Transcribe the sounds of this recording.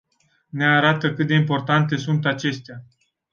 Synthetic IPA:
ne̞aɾat̪əkɨt̪̚d̪e̞impo̞rt̪ant̪̬e̞sunt̪at͡ʃe̞st̪ea

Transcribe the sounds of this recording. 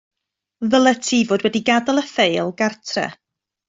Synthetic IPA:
ðəlˠətʰiːvoːdwɛdiɡadəlˠəfejlˠɡartʰrɛ̰

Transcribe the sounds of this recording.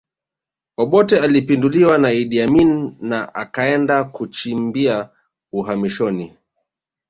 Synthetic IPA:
ɔɓɔtɛalipinduliwanaiɗiaminːaʔa̰kaɛndakut͡ʃimbia | uɦamiʃɔni

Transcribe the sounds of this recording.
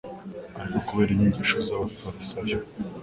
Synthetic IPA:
aɾikokuβeɾiɲiɲɟiʃozaofat̪i̥sajo

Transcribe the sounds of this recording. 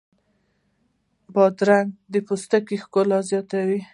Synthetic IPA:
bɑd̪ɾaŋɡd̪əpost̪akixkolazjɑt̪awi

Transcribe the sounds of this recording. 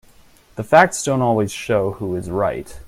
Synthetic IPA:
ðɨfæk̚tsd̥õʊ̃ntɔlˠwiz̥ʃoʊhuɨzɹa̰ɪt̚

